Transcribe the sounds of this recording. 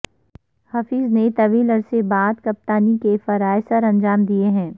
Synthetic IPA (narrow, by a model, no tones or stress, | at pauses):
hɐfiːznet̪ɐʋiːlɐɾsebaːd̪kɐp̚t̪aːnikefɐɾaːɪsəɾɐ̃nd͡ʒaːmd̪ieɦɛ̃ː